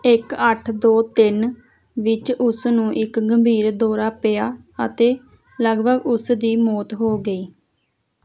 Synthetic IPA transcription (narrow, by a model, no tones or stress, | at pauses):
ɪkəʈʰd̪oːt̪ɪn | ʋɪt͡ʃʊsnũːʔɪkɡəmbʱiːɾd̪oːɾaːpejaː | ət̪eː | ləɡbəɡʊsd̪iːmoːt̪ɦoːɡəiː